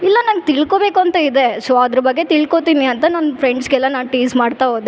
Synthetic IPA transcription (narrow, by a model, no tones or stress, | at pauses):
ilːɐnaːɡ̚t̪iɭko̞be̞ːkuɐnt̪ɐid̪e̞soɐd̪ɾɐbɐɡːe̞t̪iɭko̞t̪iːniɐnt̪ɐnaːnpʰɾeɳɖsɡɛlːɐnaːʋʈiːsmaːɖt̪aɦoːd̪e